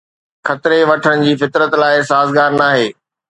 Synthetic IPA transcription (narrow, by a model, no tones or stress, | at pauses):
xɐt̪ɾeʋɐʈʰəɽ̃ɪ̆d͡ʑiːfɪt̪ɾət̪laːɪsaːzɡaːɾnaːɦeː